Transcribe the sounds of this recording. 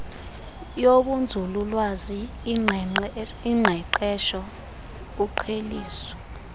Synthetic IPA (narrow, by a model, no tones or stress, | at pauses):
joɓund͡zʱululwazi | iŋ͡ǃʱɛǃɛʃɔ | uǃʰeliːsɔ̥